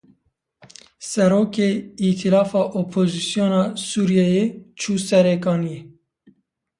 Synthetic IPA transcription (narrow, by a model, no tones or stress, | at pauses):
sɛɾoːkeːit̪ʰilɑːfɑːʔopʰoːzisjoːnɑːsuːɾijɛjeːt͡ʃʰuːsɛɾekɑːnije